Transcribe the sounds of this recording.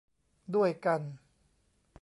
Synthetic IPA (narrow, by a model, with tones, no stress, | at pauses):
du˥˩əjka˧n